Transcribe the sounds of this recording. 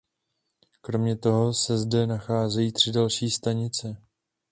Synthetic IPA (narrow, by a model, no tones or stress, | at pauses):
kɾo̞mɲɛt̪o̞ɦo̞sɛzdɛnaxaːzɛjiːt̪r̝̥ɪdalʃiːst̪aɲɪt͡sɛ